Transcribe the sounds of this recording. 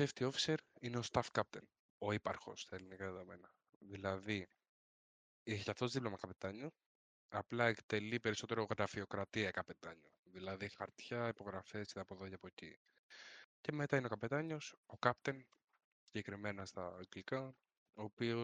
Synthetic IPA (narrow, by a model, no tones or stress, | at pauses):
eft̪io̞fi̥se̞ɾineo̞st̪ɐfkɐp̚t̪e̞n | o̞ipɐ̰ɾxo̞̰st̪ɐe̞linikɐðeðome̞nɐ | ðilɐði | eçicaft̪ozðiplomɐkɐpe̞t̪ɐɲu | ɐplɐekt̪e̞lipe̞ɾiso̞t̪e̞ɾoɣɾɐfio̞kɾɐt̪iɐkɐpe̞t̪ɐɲuðilɐðixɐɾt̪çɐipo̞ɣɾɐfe̞siðɐpoðocɐpoci | ce̞met̪ɐineo̞kɐpet̪ɐɲo̞so̞kɐpt̪e̞n | si̥ɲɟe̞kɾime̞nɐst̪ɐɡlikɐ | o̞ːpio